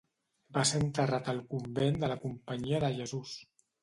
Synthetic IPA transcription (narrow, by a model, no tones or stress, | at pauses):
baseənt̪ərat̪əlˠkumbend̪ələkumpəɲiəðəʒəzus